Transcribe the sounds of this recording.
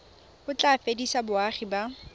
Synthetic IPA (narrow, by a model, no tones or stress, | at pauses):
bʊt͡ɬʼafedisabʊaχiba